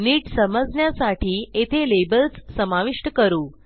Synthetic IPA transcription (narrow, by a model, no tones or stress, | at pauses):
niːʈsəməd͡znjasaʈʰiːet̪ʰelebəlt͡ssəmaʋiʂʈəkəɾuː